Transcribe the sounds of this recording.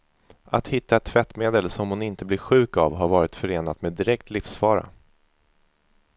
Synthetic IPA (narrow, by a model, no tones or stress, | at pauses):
at̪hɪt̪ːaɛt̪ʰːvɛt̪ːmeːd̪əlsɔmhʊnɪnt̪əblɪɧʉ̟ːka̰vɦaɾvɑːɾɪt̪fœɾeːnat̪meːd̪ɪɾɛk̚t̪lɪfsfɑːɾa̰